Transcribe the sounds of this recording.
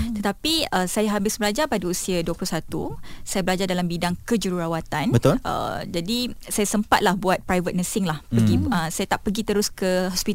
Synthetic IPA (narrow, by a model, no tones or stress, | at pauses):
t̪ət̪apiəsajaɦabɪsbəlad͡ʒapadausiaduəplusat̪ṵsajabəlad͡ʒardalambidaŋkəd͡ʒuɾuɾawat̪anbət̪ʊʔə̰d͡ʒadisajasəmpat̪̚lahbuat̪̚pɾajvət̪̚nəsɪŋlahpəɡiəsajat̪aʔpəɡit̪əɾʊskəɦɔspit̪